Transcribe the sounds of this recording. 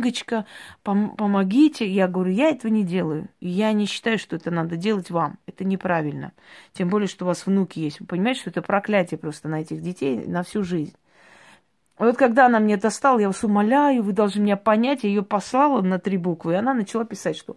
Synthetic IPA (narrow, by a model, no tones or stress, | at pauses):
ɡət͡ɕkəpəmpəmɐɡʲitʲɪjaɡəvɐɾʲujaɛt̪əvənʲɪdʲe̞lˠəjʊ̰ɪjanʲɪɕːɪ̥t̪ajʊʂt̪oɛt̪ənad̪ədʲe̞lˠətʲvamɛt̪ənʲɪpɾavʲɪlʲnə̰tʲembolʲɪjəʂt̪o̞ʊːvasvnukʲɪjesʲtʲvɨpənʲɪmajtʲɪ̥ʂt̪oɛt̪əpɾɐklʲætʲɪjəpɾo̞st̪ənɐɛtʲɪxdʲɪtʲejnəfsʲuʐɨzʲnʲ | vo̞t̪̚kɐɡd̪aɐnamnʲed̪ɐst̪alˠəjavasʊmɐlʲajʊvɨd̪ɐlˠʐnɨmʲɪnʲapɐnʲætʲjaɪjopɐslˠalˠənət̪ɾʲibukvɨɪɐnanət͡ɕɪlˠapʲɪsatʲʂt̪o